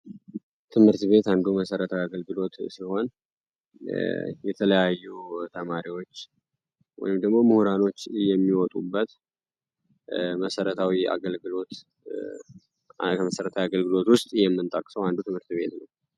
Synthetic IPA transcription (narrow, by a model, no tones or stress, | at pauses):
t̪ʰɨmhɨɾt̪βe̞t̪and̪uməsəɾət̪ʰawiaɡəlɡɨlo̞t̪siho̞n | jɛt̪ʰələjajːut̪ʰəmaɾiwo̞t͡ʃː | wɔ̰jɪmd̪əɡmo̞muhɾano̞t͡ʃːjɛmːiwɔt̪ʼubːət̪ | məsəɾət̪ʰawia̰ɡəlɡɨlo̞t̪ | kʰəməsəɾət̪ʰawiaɡəlɡɨlo̞t̪wʊst̪ʼjɛmːɨnt̪ʼəkʼsəwand̪ut̪ɨmhɨɾt̪βe̞̰t̪nəw